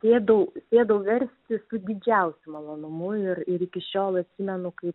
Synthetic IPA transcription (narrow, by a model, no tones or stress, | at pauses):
sʲeːd̪ɐʊsʲeːd̪ɐʊʋʲɛɾʲsʲt̪ʲɪsʊd̪ʲɪd͡ʒʲɛʊsʲʊmɐlˠoːnʊmʊɪɾɪɾikʲɪʃʲoːlˠɐt̪ʲsʲimʲɛnʊkɐɪp